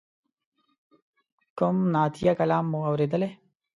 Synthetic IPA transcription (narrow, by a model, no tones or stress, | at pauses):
kʊmnaːt̪ʰijakɐlɑːmːuawɾeːd̪əle